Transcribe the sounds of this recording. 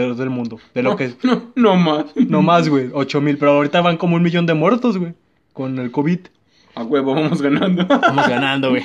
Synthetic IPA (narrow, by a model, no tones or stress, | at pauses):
ɾozðe̞lmũnd̪oðe̞lokenomasnomazɣweot͡ʃo̞milpe̞ɾoawɾit̪aβaŋkomounmiʝo̞nd̪e̞mwe̞ɾt̪o̞zɣwe | ko̞ne̞lkoβið | aɣweβoβamozɣanãnd̪obamozɣanãnd̪oɣwe